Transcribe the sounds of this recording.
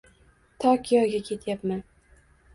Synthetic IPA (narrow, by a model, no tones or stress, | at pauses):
t̪ʰɒkʲʰijɒɡʲakʲʰe̞t̪ʰjapman